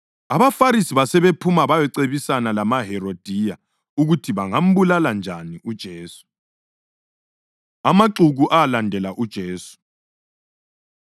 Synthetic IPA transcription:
aβafaɾisiβasɛβepʰumaβajɛǀeβisanalamaɦɛɾod̥ʱija | uɣutʰiβaŋam̩βulaland͡ʒʱaniʔud̥ʒ̥ʱeːsu̥ | amaǁuɣuʔaalandʱɛlaʔud̥ʒ̥ʱeːsu̥

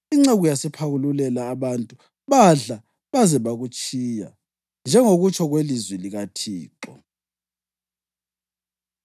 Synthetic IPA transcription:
iŋ͡ǁɛɣujasɛpʰaɣululɛlaːβantʼu | βaɮa | βazɛβaɣut͡ʃʼiːja̰ | nd͡ʒʱɛŋoɣut͡ʃʰʼɔɣwelizwiliɣatʰiːǃɔ

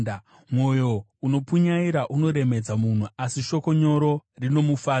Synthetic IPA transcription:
mwo̞jo̞ | uno̞puɲaiɾaʔuno̞ɾe̞me̞d͡zamun̤uasiʃo̞ko̞ɲo̞ɾo̞rino̞mufaː

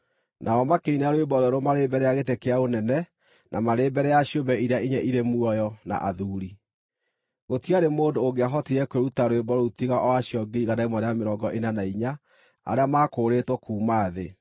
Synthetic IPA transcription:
nʔaɔmakeineaɾowebɔɾoɾomaɾeːbɛɾɛjaɣetekeaonɛnɛ | nʔamaɾeːbɛɾɛjaɕjobɛiɾeaʔiɲɛʔiɾemuɔjɔna̰ʔaðuːɾi | ɣotiaɾemoːdoːɣeaɦɔtiɾɛkweɾutaɾwebɔɾoutiɣaʔɔaɕjɔɡeiɣanaimɔɾeameɾɔːŋɡɔʔenanaiɲa | a̰ɾeamaːkoːɾetwɔkuːmaːðe

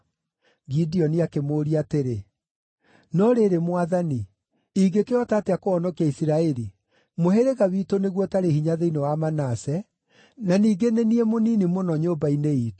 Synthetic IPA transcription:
ɡidiɔniakemoːɾiateɾe | nɔɾeɾemwaðani | iːɡekeɔtaːteakoɔnɔkiaisiɾaɛɾi | moɦeɾeɣaβitoneɣwɔtaɾehiɲaðeinewamanasɛ | naniːɡeneniɛmoniːnimonɔɲoːbaineiːto̥

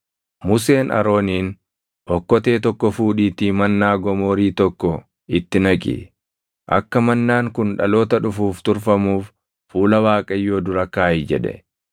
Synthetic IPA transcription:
mʊse̞ːnʔɐ̰ɾoːniːn | ʔɔkːɔt̪e̞ːt̪ɔkːɔfuːᶑiːt̪iːmɐnːaːɡɔmo̞ːɾiːt̪ɔkːɔ | ɪt̪ːɪnɐkʼɪ̰ | ʔɐ̰kːɐmɐnːaːŋkʊnᶑɐlo̞ːt̪ɐᶑʊfuːft̪ʊɾfɐmuːf | fuːlɐwaːkʼɐjːo̞ːd̪ʊɾɐkːaːjd͡ʒɛ̰ᶑɛ̰

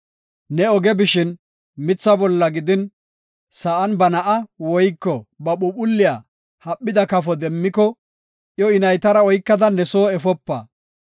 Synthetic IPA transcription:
nɛɔɡɛbɪʃɪn | mɪt͡sːɐbɔlːɐɡɪd̪ɪn | sɐʔɐnbɐnɐʔɐwɔjkːɔbɐɓʊpʊlːɪjaː | hɐpːɪd̪ɐkɐfɔd̪ɛmːɪkɔ | ʔjɔɪnɐjt̪ɐɾɐɔjkːɐd̪ɐnɛsoːɛfɔpːɐ̰ː

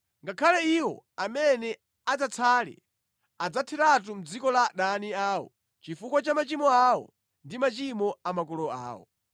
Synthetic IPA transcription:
ŋɡakʰalɛiwɔ̰amɛnɛ | ad͡zat͡sʰalɛ̰ | ad͡zatʰɛɾat̬um̩d͡zikɔlaɗaniaːwɔ̰ | t͡ʃifukwat͡ʃamat͡ʃimɔawɔ̰ | ndimat͡ʃimɔamakulɔa̰ːwɔ̰

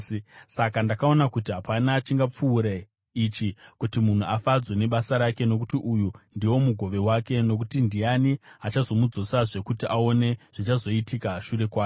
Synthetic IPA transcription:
sakandakao̞nakutiɦapanaːt͡ʃiŋɡap͡fuːɾe | it͡ʃikutimun̤uafad͡zwe̞ne̞ɓasaɾake̞no̞k̬utiʔujundiwo̞muɡʱo̞ʋe̞wake̞no̞k̬utindijaniat͡ʃazo̞mud͡zo̞saʐe̞kutiʔao̞ne̞ʐ̥it͡ʃazo̞itikaʃure̞kwaːke

